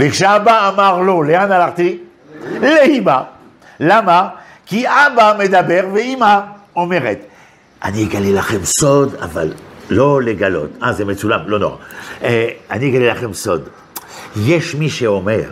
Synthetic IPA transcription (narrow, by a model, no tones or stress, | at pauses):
vekʃeabaːmaʁloleanalaʁt̪i | leima | lama | kiabamed̪abeʁveima | omeʁet̪ | ʔanieɡalelaχemsod̪a̰va̰lːoleɡalo̰t̪azemet͡sulamlono̰ʁa̰ | aniɡalelaχemsod̪ | jɛʃmiʃeomeʁ